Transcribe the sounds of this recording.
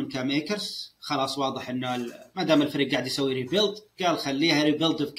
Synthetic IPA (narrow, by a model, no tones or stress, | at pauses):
ɪnkameːkəɾsxɑlɑːsˤwɑːðˤɨħʔɪnːalmad̪aːmɪlfɪɾiːɡ̚aːʕd̪jsawːiɾiːbɪlt̪ɡaːlxalːiːhaɾiːbɪld̪bk